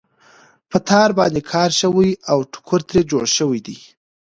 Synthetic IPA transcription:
pət̪ʰɑɾbɑnd̪ekʰɑɾʃəwəjawʈʰʊ̥kʰʊɾt̪ɾed͡ʒoɽʃəwijd̪i

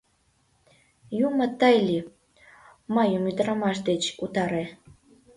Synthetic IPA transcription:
jumə̆t̪əjlʲi | mɑjəmyd̪əɾɑmɑʃ̬d̪et͡ɕut̪ɑɾe

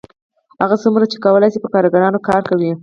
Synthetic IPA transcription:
haɣasamunat͡ʃe̥kawəlajsipəkɑɾaɡaɾɑnokɑɾkawi

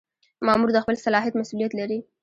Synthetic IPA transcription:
mɑmuɾd̪əxpəlsalɑɦɪjat̪masulijat̪laɾi

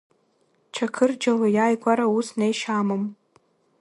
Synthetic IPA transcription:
t͡ʃʰakʰɨrd͡ʒalajaːjkʷʼaɾausnejʃamɨm

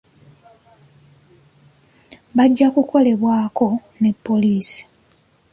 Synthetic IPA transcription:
βaɟːakuko̞le̞βwaːko̞ | ne̞pːo̞liːsi̥

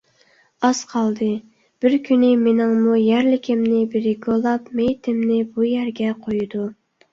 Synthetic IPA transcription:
ɑsqʰɑlˠd̪ɨ | b̥ɪɾkʲʰynɪmenɪŋmujæɾlɪkʲʰɪmnɪbeɾɪɡʲolˠɑpmejt̪ʰɪmnɪbujæɾɡʲɛqʰojud̪u

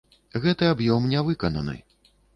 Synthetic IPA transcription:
ɣɛt̪ɨabjɔmnʲɛvɨkɐnɐ̰nɨ̰

